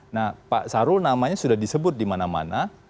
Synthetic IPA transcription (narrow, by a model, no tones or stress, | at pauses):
nahpa̰ʔsaɾʊlnamaɲasudahdisəbʊt̪̚dimanama̰na